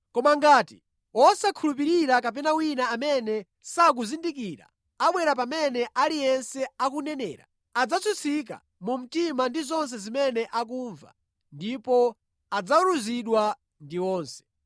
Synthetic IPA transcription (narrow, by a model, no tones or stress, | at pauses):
kɔmaŋɡaːti | wɔsakʰulup̬iɾiɾakap̬ɛnawinaːmɛnɛ | sak̬uzindik̬iːɾa̰ | aɓwɛɾapamɛnɛʔalijɛnsɛak̬unɛnɛ̰ːɾa̰ | ad͡zat͡sʰut͡sʰik̬a̰ | mum̩timandizɔns̬ɛzimɛnɛʔak̬uːɱva̰ | ndipɔ | ad͡zauɾuziɗwa | ndiwɔːnsɛ̥